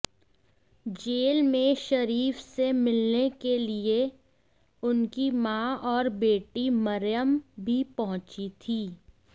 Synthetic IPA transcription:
d͡ʒeːlmẽʃɐɾiːfsemɪlnekelie | ʊnkimãːɔːɾbeːʈimɐɾjəmbʱipɐɦʊ̃t͡ʃit̪ʰiː

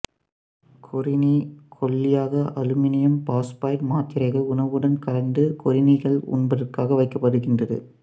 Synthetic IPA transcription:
kʰɔɾɪnikʰɔlːɪjaːɣɐʔɐlɯmɪnɪjɐmpaːspaːɾmaːt̪ːɪɾɐɪɣɐʊnɐʋɯɽɐnkɐɾɐnd̪ɯkɔɾɪnɪɣɐɭʊ̰nbɐðɐrkaːɣɐʋɐɪkːɐpːɐɽɯɣɪndrɐðɯ̰

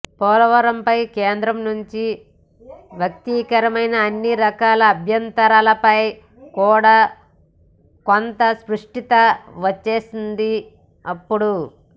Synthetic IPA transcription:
pɔːlɐʋɐɾɐmpɐjkeːnd̪ɾɐmnuɲt͡ʃi | ʋjɐk̚t̪ikɐɾɐmɐjnɐːnːiɾɐkaːlɐːbʱjɐnt̪ɐɾaːlɐpɐj | kuːɽaː | kont̪ɐspɾuʂʈit̪ɐʋɐt͡ʃːe̞ːsind̪i | ɐpːuɽu

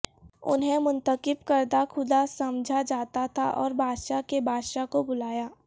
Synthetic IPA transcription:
ʊ̰nɦemʊ̃nt̪əqɪbkəɾd̪axʰʊd̪asɐmd͡ʒʱad͡ʒaːt̪at̪ʰaʔɔːɾbʱaːd̪ʃakebʱaːd̪ʃakobʊlaːjaː

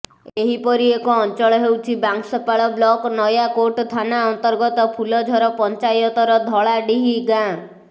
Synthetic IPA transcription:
eɦipɔɾiekɔːnt͡ʃɔɭɔɦewt͡ʃʰibaŋksɔpaɭɔblɔknɔjakoʈt̪ʰanaɔnt̪ɔɾɡɔt̪ɔpʰulɔd͡ʒʱɔɾɔpɔnt͡ʃajɔt̪ɔɾɔd̪ʱɔɭaɖiɦiɡã

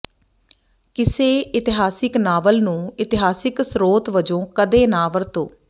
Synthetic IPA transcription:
kɪseːɪt̪ɪɦaːsɪknaːʋəlnũːɪt̪ɪɦaːsɪksɾoːt̪ʋəd͡ʒõːkəd̪eːnaːʋəɾt̪o̰ː

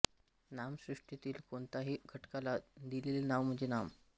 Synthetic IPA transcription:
namsɾiʂʈit̪iːlkoɳt̪aɦiːɡʱəʈkalad̪ilelenaʋm̤əɳd͡ʑenam

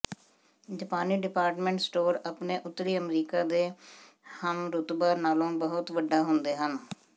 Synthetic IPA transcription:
d͡ʒapaːniːɖɪpaːɾʈmẽɳʈsʈoːɾapneːʔʊt̪ːɾiːəmɾiːkaːd̪eː | hənɾʊt̪baːnaːlõːbəɦʊt̪ʋəɖaːɦʊnd̪eːɦən

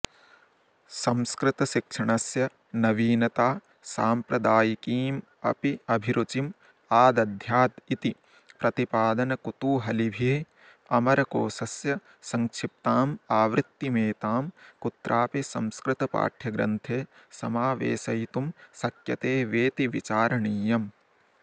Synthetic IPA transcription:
sɐmskɾɪt̪ɐʃikʂɐɳɐsjɐ | nɐʋiːnɐt̪aː | saːmpɾɐd̪aːjikiːm | ɐ̰piɐbʱiɾut͡ʃim | aːd̪ɐd̪ʱjaːt̪it̪i | pɾɐt̪ipaːd̪ɐnɐkut̪uːɦɐlibʱi | ɐmɐɾɐkoːsɐsjɐ | sɐŋkʂip̚t̪aːmaːʋɾɪt̪ːimeːt̪aːmkut̪ɾʔaːpisɐmskɾɪt̪ɐpa̰ːʈʰjɐɡɾɐ̰nt̪ʰeːsɐmaːʋḛːsɐjt̪umsɐkjɐt̪eːʋeːt̪iʋit͡ʃaːɾɐɳiːjɐm

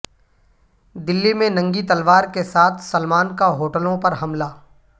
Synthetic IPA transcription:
d̪ɪlːimẽnɐ̃ŋɡit̪ɐlʋaːɾkesaːt̪ʰsɐlmaːnkaɦoːʈəlõpɐɾɦɐmlaː

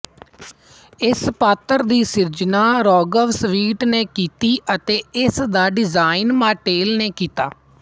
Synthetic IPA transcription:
ɪspaːt̪ːəɾd̪iːsɪɾd͡ʒnaːɾɔːɡəʋsʋiːʈneːkiːt̪iːʔət̪eːɪsd̪aːɖɪzaːinmaːʈeːlneːkiːt̪aː

